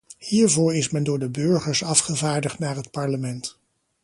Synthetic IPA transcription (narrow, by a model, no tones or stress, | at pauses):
hiːɹvʊːɹɪsmɛndʊːɹdəbɵɹχəɹsɑfχəvaːɹdəχtnaːɹɦət̚pɑɹləmɛnt